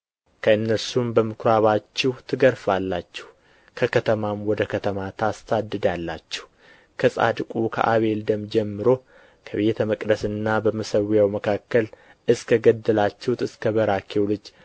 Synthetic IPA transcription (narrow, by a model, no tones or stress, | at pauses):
kʰəɨnːəɾsumbəmɨkʰɾaβat͡ʃːɛht̪ʰɨɡəɾfalːat͡ʃːɛ̥h | kʰəkʰət̪ʰəmamwɔd̪əkʰət̪ʰəmat̪ʰast̪ʰad̪ɨd̪alːa̰t͡ʃːɛ̥h | kʰəsʼa̰d̪kʼukʰə̰ʔa̰βe̞ld̪əmd͡ʒɛmːɨɾo̞ | kʰəβe̞t̪ʰməkʼd̪əsɨnːabəməsəwjawməkʰakːəl | ʔɨskʰəɡəd̪ːɨlat͡ʃːɛwt̪ɨskʰəβəɾakʰewlɨd͡ʒ